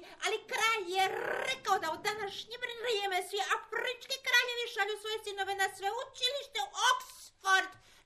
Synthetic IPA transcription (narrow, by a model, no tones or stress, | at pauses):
alikɾaːjjeɾekaod̪aud̪anaʃɲeʋɾvɾjeːmesʋiafrit͡ʃkikɾaːʎeʋiʃaʎusʋo̞jesinoʋenasʋeut͡ʃiliʃt̪eʔoksfoɾd̪